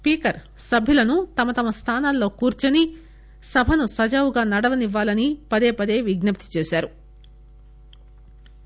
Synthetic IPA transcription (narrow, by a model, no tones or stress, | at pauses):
spiːkɐɾ | sɐbʱilɐnut̪ɐmɐt̪ɐmɐst̪ʰaːnaːlːo̞ːkuːɾt͡ʃɐni | sɐbʱɐnusɐd͡ʒaːʋuɡaːnɐɽɐʋɐniʋːaːlɐnipɐd̪e̞ːpɐd̪e̞ːʋiɡnɐp̚t̪i̥t͡ʃeːsaːɾu